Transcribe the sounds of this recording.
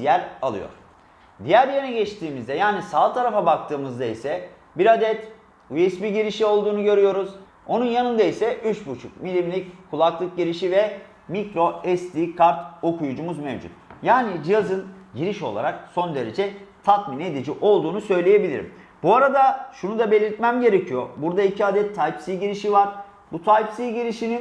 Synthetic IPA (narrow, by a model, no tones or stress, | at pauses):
d̪ijæɾalˠɯ̰jo̞̰ɾ̥ | d̪ijæɾjeɾinɛɟɛt͡ʃt̪ʰiːmizd̪ɛjaːnisaːlˠt̪ʰaɾafabak̚t̪ʰɯːmɯzd̪aisɛ | biɾad̪ɛt̪ | ujɛsbiɟiɾiʃio̞lˠd̪uːnuɟø̞ɾyjo̞ɾuz | o̞nunjanɯnd̪aisɛʔyt͡ʃbut͡ʃʰukmilʲimlʲickʰːulˠaklˠɯk̚ɟiɾiʃivɛ | micɾo̞ɛst̪iːkʰaɾt̪o̞kujud͡ʒumuzmḛvd͡ʒṵt̪jaːnid͡ʒijazɯnɟiɾiʃo̞̰lˠa̰ɾakso̞nd̪e̞ɾe̞d͡ʒɛt̪ʰat̪mine̞d̪id͡ʒiʔo̞lˠd̪uːnusø̞jlʲeje̞bilʲḭɾḭm | buaɾad̪aʃunud̪abe̞lʲiɾt̪mæmɟe̞ɾecʰijo̞̰buɾd̪aicʰiad̪ɛt̪ʰːajpsiːɟiɾiʃivaɾ | but̪ʰajpsiːɟiɾiʃinin